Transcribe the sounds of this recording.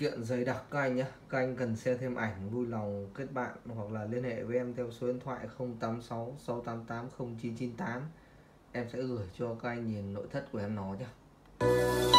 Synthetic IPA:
kḭ˧˨ənzə˨˦jɗa˨˩k̚kaː˨˦˥k̚ʔa˧jŋ̟ʔaː˧kaː˦˥k̚ʔa˧jŋ̟kə˨˩nsɛ˧t̪ʰe˧mʔa˧˩jŋ̟vu˧jla˨˩wŋ͡mke˦˥t̚ɓa̰ː˧˨nhwa˨˩k̚laː˨˩li˧ənhḛ˧˨ve˨˦ʔɛ˧mt̪ʰɛ˧wso˨˦i˧˦ənt̪ʰwa̰ː˧˨jxə˧wŋ͡mt̪aː˨˦msa˨˦wsa˨˦wt̪aː˨˦mt̪aː˨˦mxə˧wŋ͡mt͡ɕi˨˦nt͡ɕi˨˦nt̪aː˨˦m | ʔɛ˧msɛ̰˧˥ɣɨ˧˩əjt͡ɕɔ˧kaː˦˥kʔa˧jŋɲi˨˩nːo̰˧˨jt̪ʰə˦˥t̚ku˧˩əʔɛ˧mnɔ˨˦ɲaː˨˦

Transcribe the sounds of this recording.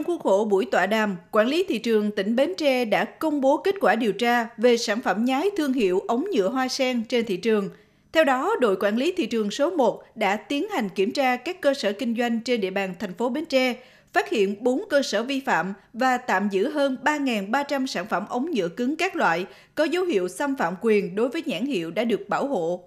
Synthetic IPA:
ŋ͡mku˦˥ək̚ho̰˧˩ɓṵ˧˩əjt̪wa̰ː˧˨ɗaː˨˩mkwaː˧˩nli˨˦t̪ʰḭ˧˨t͡ɕɨ˨˩əŋt̪ï˧˩ŋ̟ɓe˨˦nt͡ɕɛ˧ɗa̰ː˧˥kə˧wŋ͡mɓo˨˦ki˦˥t̚kwaː˧˩ɗi˨˩əwt͡ɕaː˧ve˨˩saː˧˩nfə˧˩mɲaː˨˦jt̪ʰɨ˧əŋɦḭ˧˨əwʔə˨˦wŋ͡mɲɨ̰˧˨əɦwaː˧sɛ˧ŋt͡ɕe˧nt̪ʰḭ˧˨t͡ɕɨ˨˩əŋ | t̪ʰɛ˧wɗɔ˨˦ɗo̰˧˨jkwaː˧˩nli˨˦t̪ʰḭ˧˨t͡ɕɨ˨˩əŋso˨˦mo˨˩t̚ɗa̰ː˧˥t̪i˨˦ənha˨˩jŋ̟ki˧˩əmt͡ɕaː˧kaː˦˥kːəː˧səː˧˩kï˧ŋ̟zwa˧jŋ̟t͡ɕe˧nɗḭ˧˨əɓaː˨˩nt̪ʰɛ˨˩jŋ̟fo˨˦ɓe˨˦nt͡ɕɛ˧ | faː˦˥t̚hḭ˧˨ənɓo˨˦nkəː˧səː˧˩vi˧fa̰ː˧˨mvaː˨˩t̪a̰ː˧˨mzɨ̰˧˥ɦəː˧nɓaː˧ŋaː˨˩nɓaː˧t͡ɕa˧msaː˧˩nfə˧˩mʔə˨˦wŋ͡mɲɨ̰˧˨əkɨ˨˦ŋkaː˦˥k̚lwa̰ː˧˨j | kɔ˨˦zə˨˦whḭ˧˨əwsa˧mfa̰ː˧˨mkwi˨˩ənɗo˨˦jvəː˨˦jɲa̰ː˧˥˩nhḭ˧˨əwɗa̰ː˧˥ɗɨ˨˩ək̚ɓaː˧˩wɦo̰˧˨

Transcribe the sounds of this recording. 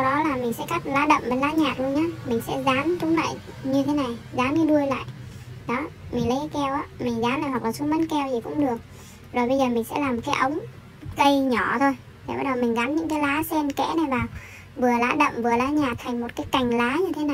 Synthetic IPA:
wɗɔ˨˦laː˨˩mï˨˩ŋ̟sɛ̰˧˥ka˦˥k̚laː˨˦ɗə̰˧˨wmɓə˨˩nlaː˨˧˥ɲaː˨˩t̚lu˧əŋɲaː˨˦mï˨˩ŋ̟sɛ̰˧˥zaː˨˦mt̪ʰʊ˨˦ŋ͡mla̰ː˧˨j | ɲɨ˧t̪ʰe˨˦na˨˩jzaː˨˦mɲɨ˨˦ɗu˧əjla̰ː˧˨j | ɗɔ˨˦mï˨˩ŋlə˨˦ja˧˦jkɛ˧wʔaː˨˦mï˨˩ŋ̟zaː˨˦mla̰ː˧˨jwk̚laː˨˩su˧˦mə˨˦nkɛ˧wt̪ʰi˨˩kʊ̰˧˥ŋ͡mɗɨ˨˩ək̚ | zo˨˩jɓə˧jzəː˨˩mï˨˩ŋ̟sɛ̰˧˥laː˨˩mo˨˩tkaː˨˦ʔə˨˦wŋ͡m | kə˧jɲɔ˧˩t̪ʰo˧j | ḛ˨˩ɓaː˨˦ɗə˨˩mï˨˩ŋ̟zaː˨˦mɲɨ̰˧˥ŋkaː˨˦jlaː˨˦sɛ˧nkɛ̰˧˥na˨˩jɓaː˨˩w | vɨ˨˩əlaː˨˦ɗə̰˧˨ŋ͡mmvɨ˨˩əlaː˨˦ɲaː˨˩t̚t̪ʰa˨˩ŋ̟mo˨˩t̚kaː˨˦jka˨˩jŋ̟laː˨˦ɲɨ˧t̪ʰe˨˦na˨˩j

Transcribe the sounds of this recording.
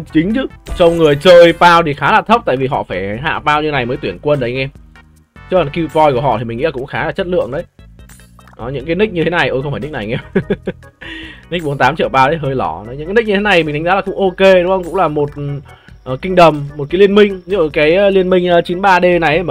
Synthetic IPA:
t͡ɕï˨˦ŋ̟t͡ɕɨ˨˦t͡ɕɔ˧wŋ͡mŋɨ˨˩əjt͡ɕəː˧jpaː˧wt̪ʰi˨˩xaː˨˦laː˨˩t̪ʰə˦˥p̚t̪a̰ː˧˨vi˨˩ɦɔ̰˧˨faː˧˩jɦa̰ː˧˨paː˧wɲi˧na˨˩jməː˨˦t̪wənkwə˧nɗə˨˦jŋɛː˧m | t͡ɕɨ˦˥kla˨˦xi˧vɔ˧˩jku˧˩əɦɔ̰˧˨t̪ʰi˨˩ï˨˩ŋ̰˧˥laː˨˩ʊ̰˧˥ŋ͡mxaː˨˦laː˨˩t͡ɕə˦˥t̚lɨ̰˧˨əŋɗə˨˦j | ʔɔ˨˦ɲɨ̰˧˥ŋkaː˨˦jnï˦˥k̚ɲɨ˧e˨˦na˨˩jʔəː˧jxŋ͡mfaː˧˩jn˦˥k̟na˨˩jŋɛ˧m | ni˦˥k̟̚ɓu˨˦nt̪aː˨˦mt͡ɕḭ˧˨əwpaː˧wɗə˨˦jɦəː˧jlɔ˧˩nɔ˨˦jɨ̰˧˥ŋkːni˦˥k̚ɲɨ˧e˨˦na˨˩jt̪ʰŋzaː˨˦laː˨˩kʊ̰˧˥ŋʔo˧ke˧ɗŋ͡mxə˧wŋ͡mkʊ̰˧˥ŋ͡mlaː˨˩mo˨˩t̚ | ʔəː˨˩kï˧ŋ̟ɗə˨˩mːo˨˩t̚kaː˨˦jli˧ənmï˧ŋ̟ɲɨ̰˧˥kaː˨˦jli˧ənmï˧ŋ̟əː˨˦t͡ɕi˨˦nɓaː˧ɗe˧na˨˩jʔ

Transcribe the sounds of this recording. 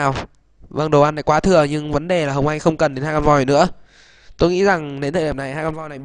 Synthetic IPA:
a˨˩w | və˧˩ŋɗo˨˩wʔa˧nːa˨˧˩jkwaː˨˦t̪ʰɨ˨˩əɲɨ˧ŋvə˨˦nɗe˨˩laː˨˩ɦə˨˩wŋ͡mʔa˧jŋ̟xə˧wŋ͡mkə˨˩nɗe˨˦naː˧kɔ˧nvɔ˧jnɨ̰˧˥ə | t̪o˧jŋḭ˧˥za˨˩ŋɗe˨˦nt̪ʰəː˧˨˩ɗna˨˩jhaː˧kɔ˧nvɔ˧jna˨˩j

